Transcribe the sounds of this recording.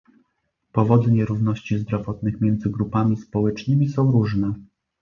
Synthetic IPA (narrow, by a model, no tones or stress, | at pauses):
pɔvɔd̪ɘɲɛɾuvnɔɕt͡ɕizd̪ɾɔvɔt̪nɘxmʲjɛnd̪zɘɡɾupamʲispɔwɛt͡ʂnɘmʲisɔ̃w̃ɾuʐnɛ